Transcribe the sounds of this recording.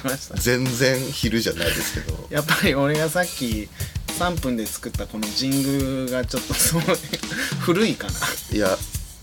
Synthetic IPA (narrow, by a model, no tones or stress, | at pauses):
maɕi̥t̪ad͡zẽ̞nd͡zẽ̞ɰçiɾɯ̟ʑanaid̪e̞sɨ̥ke̞d̪o̞̰japːaɾʲio̞ɾe̞ɡasakʲːisãmpɯ̟̃nd̪e̞t͡sɨ̥kɯ̟t̪ːako̞no̞d͡ʑĩŋɡɯ̟ɡat͡ɕo̞t̪ːo̞so | ɸɯ̟ɾɯ̟ikanaja